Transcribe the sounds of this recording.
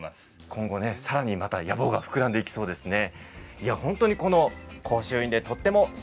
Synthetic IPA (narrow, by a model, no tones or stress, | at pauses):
s | kʰõ̞ŋɡo̞ne̞saɾaɲ̟imat̪ajabo̞ːɡaɸɯ̥kɯɾãnd̪e̞ikʲi̥so̞ːd̪e̞sɨne̞iahõ̞nt̪o̞ɲ̟iko̞no̞kʰo̞ːɕɨːĩnd̪e̞t̪o̞t̪ːe̞mo̞